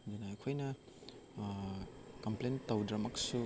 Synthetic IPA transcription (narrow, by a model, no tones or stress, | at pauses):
dunɐɐkʰojnɐ | kɐmplentɐwdɾɐmɐksu